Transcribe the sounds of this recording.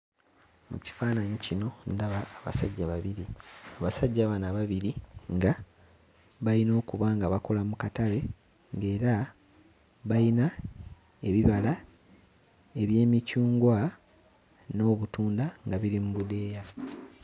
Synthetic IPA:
mṵci̥faːnaɲicino̞ndaβaːβa̰saɟːaβaβiɾiaβasaɟːaβanaβaβiɾiŋɡa | βaino̞ːkuβaːŋɡaβako̞lamukatale̞ | ŋɡe̞ːɾa | βajina | e̞βiβala | e̞βje̞ːmicuːŋɡwa | no̞ːβutuːndaŋɡaβiɾimuβude̞ːja

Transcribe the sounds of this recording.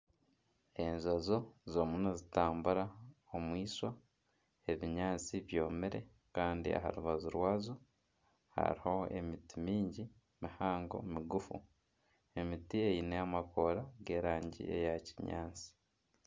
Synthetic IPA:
e̞nzazo̞zo̞ːmunozitaːmbuɾaomwiːswa | e̞βiɲaːt͡siβjo̞ːmeɾe̞̰ | kaːndḭa̰ha̰ɾuβazuɾwaːzo | ha̰ɾiho̞ḛmitimiːɲɟi | mihaːŋɡo̞̰miɡufṵ | e̞mitie̞jinejamako̞ɾaɡe̞ːɾaːɲɟḭe̞̰jaci̥ɲa̰ːt͡si̥

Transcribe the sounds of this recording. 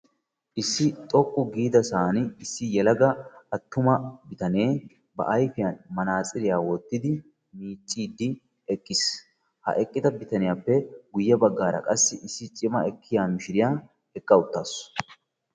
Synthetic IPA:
ʔɪsːɪt̪ʼɔkʼːʊɡiːd̪ɐsaːnɪɪsːɪjɛlɐɡɐɐt̪ːʊmɐbɪt̪ɐne̞ː | bɐ̰ʔɐjfɪjanmɐnaːt͡sʼɪɾɪjaːwɔt̪ːɪd̪ɪ | miːt͡ʃʼːiːd̪ːɪ | ɛkʼːɪs | hɐ̰ʔɛkʼːɪt̪ɐbɪt̪ɐnɪjaːpːɛɡʊjːɐbɐɡːaːɾɐ̰kʼɐsːɪʔɪsːɪt͡ʃʼɪmɐɛkʰːɪjaːmɪʃɪɾɪjaː | ɛkʼːɐʊt̪ːaːs

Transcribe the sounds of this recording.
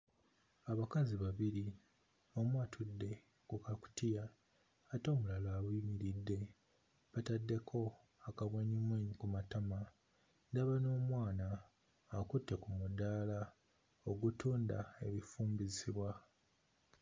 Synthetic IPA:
aβakaziβaβiɾi | o̞mwaːtʰudːe̞ | kukaku̥tijaː | to̞ːmulaloaβimiɾidːe̞ | βatadːe̞kʰo̞ | akaβwaɲimwekumatama | ndaβano̞ːmwaːnaː | kutːe̞kumudaːla | oɡutʰuːndae̞̰βifuːmbiziβwa

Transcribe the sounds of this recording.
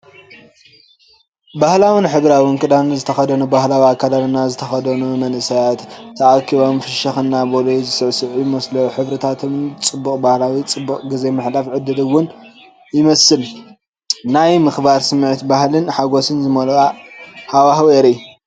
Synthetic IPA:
bahlawinħɨβɾawinkʼɨd̪anzɨt̪ʰɐxɐd̪ɐnubahlawiakʰːad̪alnazɨt̪ʰɐxɐd̪ɐnumɐnʔɨsajat̪t̪ʰɐʔakʰiβanfɨʃɐxɨnːabolozɨsɨʕsɨʕjmɐsloħɨβɾɨt̪ʰat̪ʰɨmt͡sʼɨbːukʼbahlawit͡sʼɨbːukʼɡɨze̞mɨħlafʕɨd̪ɨdɨwːʊn | jɪmɐsɨl | najmɨxbaɾsɨmːʕɨt̪bahlɨnħaɡosɨnzɨmɐlʼahawahweɾij

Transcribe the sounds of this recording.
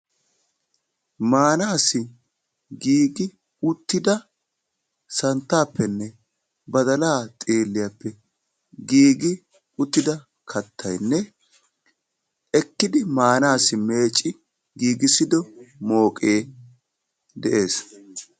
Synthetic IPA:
maːnaːsɪ | ɡiːɡɪ | ʊt̪ːɪd̪ɐ | sɐnt̪ːaːpːɛnːɛ | bɐd̪ɐlaːt̪ʼeːlːɪjɐpːɛ | ɡiːɡɪ | ʊt̪ːɪd̪ɐ | kʰɐt̪ːɐjnːɛ | ɛkːɪd̪ɪmaːnaːsɪme̞ːt͡ʃʼːɪ | ɡiːɡɪsɪd̪ɔmo̞ːkʼeː | d̪ɛʔe̞ːs

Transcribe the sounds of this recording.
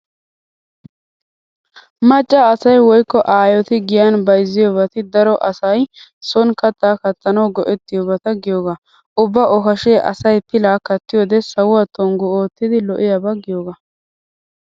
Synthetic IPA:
mɐt͡ʃʼːaːsɐjwɔjkːɔʔaːjɔt̪ɪɡɪjɐnbɐjzːɪjɔbɐt̪ɪd̪ɐɾɔʔɐsɐjsɔnkɐt̪ːaːkɐt̪ːɐnɐwɡɔʔɛt̪ːɪjɔːbɐt̪ɐɡɪjoːɡaː | ʔʊbːɐʔɔkɐʃeːʔɐ̰sɐjpɪlaːkɐt̪ːɪjɔːd̪ɛsɐwʊwat̪ʰɔŋɡʊoːt̪ːɪd̪ɪlɔʔɪjɐbɐɡɪjoːɡaː

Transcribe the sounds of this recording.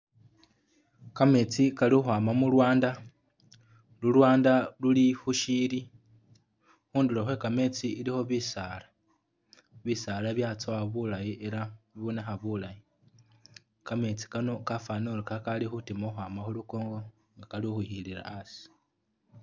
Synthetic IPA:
kame̞t͡sikalixuaːmamulwaːnda | lulwaːndalulixuʃili | xuːnduloxwe̞kame̞t͡siːlixo̞βisaːla | βisalaβjat͡soaβulajiʔeɾaiβonexaβulaji | kame̞t͡si̥kano̞kafaːnolokakalixutimoxwaːmaxuluko̞ːŋɡo̞ | ŋɡakaliuxuhiliɾa̰asi̥

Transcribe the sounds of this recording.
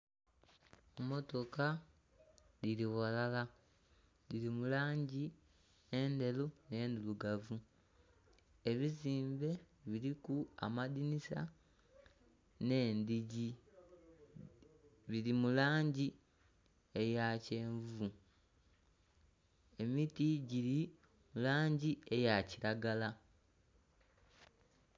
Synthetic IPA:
mo̞to̞ka | diliɣalala | lilimulaːɲɟi | ende̞lune̞ːnd̪uluɡavu | e̞βiziːmbe̞ | βiɾikua̰madinisa | ne̞ːndiɟi | βiɾimulaːɲɟi | e̞jace̞ːɱvu | e̞mitiɟiɾi | mulaːɲɟie̞jaciɾaɡala

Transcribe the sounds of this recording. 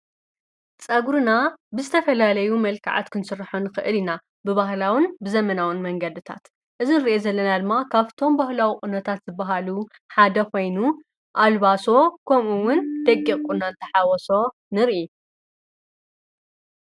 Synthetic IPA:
t͡sʼɐɡɾɨnabɨzɨt̪ʰɐfɐlalɐjumɐlkʰaʕa̰t̪kʰɨnsɨɾħonɨxɨʔɨlina | bɨβahlawɨnbɨzɐmɐnawɨnmɐŋɡɐd̪ɨt̪ʰa̰t̪ | ʔɨzinɨɾʔezɐlːɐnad̪ɨmːakʰaβt̪ʰo̞mbahlawikʼunɐt̪ʰat̪z̥ɨbːɐɦalu | ħad̪ɐkʰo̞jnu | ʔalβaso̞kʰɐmuwʊnd̪ɐɡiχʼkʼunant̪ʰɐħawɔso̞ | nɨɾʔi

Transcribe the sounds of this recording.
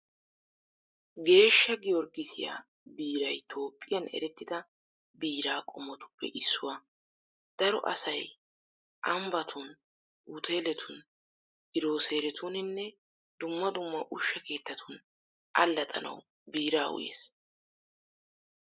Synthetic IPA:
ɡe̞ːʃːɐɡɪjɔɾɡɪsɪja̰ː | biːɾɐjt̪ʰo̞ːpʼːɪjɐnɛ̰ɾɛt̪ːɪd̪ɐ | biːɾaːkʼɔmːɔt̪ʊ̥pːɛ̰ʔɪsːʊwɐ | d̪̥ɐɾɔ̰ʔɐ̰sɐj | ʔɐmbɐt̪ʰʊn | ut̪ʰe̞ːlɛt̪ʰʊn | ɪɾoːse̞ːɾɛt̪ʰunɪnːɛ | d̪̥ʊmːɐd̪ʊmːɐʔʊʃːɐke̞ːt̪ːɐt̪ʰʊn | ʔɐlːɐt̪ʼɐ̰nɐ̰w | biːɾaːʔʊ̰jḛːs

